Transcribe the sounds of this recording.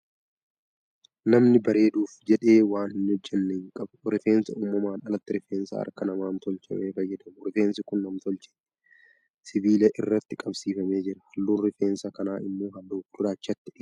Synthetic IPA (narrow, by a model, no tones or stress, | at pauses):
nɐmnɪbɐɾe̞ːd̪uːfd͡ʒɛᶑe̞ːwaːnɪnːɪɔd͡ʒːɛnːɛɪŋkʼɐbʊɾɪfe̞ːnsɐuːmːɐmaːnɐlɐt̪ːɪɾɪfeːnsɐ̰ɐ̰ɾkɐnɐmaːnt̪ɔlt͡ʃɛ̰meːfɐjːɐd̪ɐmʊɾɪfe̞ːnsɪkʊnːɐmt̪ɔlt͡ʃɛʔɛ | sɪbiːlɐʔɪrːɐt̪ːɪkʼɐbsiːfɐme̞ːd͡ʒɪɾɐ̥hɐlːuːnɾɪfe̞ːnsɐkɐnaːɪmːoːɦɐlːuːfd̪̥ʊɾaːt͡ʃːɐt̪ːɪʔ